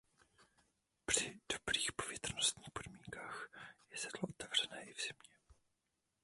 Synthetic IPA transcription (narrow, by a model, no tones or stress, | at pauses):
pr̝̥ɪd̥o̞b̥ɾiːxpo̞vjɛt̪r̩nost̪ɲiːxpo̞dmiːŋkaːxjɛsɛt̪loʔot̪ɛvr̝ɛnɛːʔɪvz̥ɪmɲɛ